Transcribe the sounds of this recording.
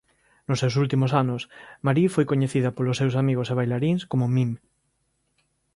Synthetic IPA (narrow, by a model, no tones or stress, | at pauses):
nosːewsult̪imosanosmaɾifojkoɲeθið̞ɐapolosːewsamiɣoseβ̞ajlaɾiŋskomomim